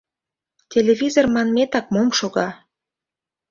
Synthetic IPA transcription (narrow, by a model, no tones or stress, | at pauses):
tʲeleβʲizormɑnmet̪ɑk̚momʃoɣɑ